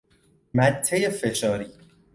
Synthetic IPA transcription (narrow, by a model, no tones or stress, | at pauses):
mæt̪ʰːejefeʃɒːɾiː